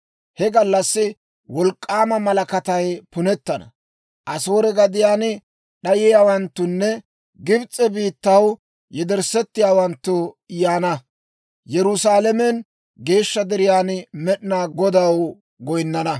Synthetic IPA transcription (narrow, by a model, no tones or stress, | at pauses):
hɛɡɐlːɐsːɪ | wɔlkʼːaːmɐmɐlɐkɐt̪ɐjpʊnɛt̪ːɐnɐ̰ | ʔɐso̞ːɾɛɡɐd̪ɪjaːnɪ | ɗɐjɪjaːwɐnt̪ːʊnːɛ | ɡɪbt͡sʼːɛbiːt̪ːɐw | jɛd̪ɛɾsɛt̪ːɪjaːwɐnt̪ːʊ | ɪjaːnɐ | jɛɾʊsaːlɛmɛn | ɡe̞ːʃːɐd̪ɛɾɪjaːnmɛɗɪnaːɡɔd̪ɐw | ɡɔjnːɐnɐ